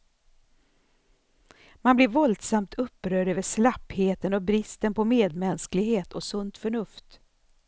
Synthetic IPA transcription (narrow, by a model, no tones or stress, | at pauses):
manblɪɾvɔld̪samt̪ʰɵpːɾœːɖøːvəʂlapheːt̪ənɔbɾɪst̪ənpʰɔmeːd̪mɛnsklɪɡheːt̪ʰɔsɵnt̪fœɳɵft̪